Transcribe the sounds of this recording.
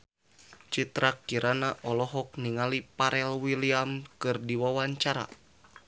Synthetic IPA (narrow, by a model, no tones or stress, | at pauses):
t͡ʃit̪ɾakːiɾʔanaʔɔlɔɦɔk̚niŋalipaɾʔɛlwiliamkɨrdiwawaɲt͡ʃaɾa̰